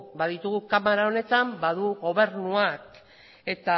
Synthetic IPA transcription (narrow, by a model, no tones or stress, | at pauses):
baðit̪uɣukamaɾao̞ne̞t̪ambaðuɣo̞β̞e̞ɾnuak | e̞t̪a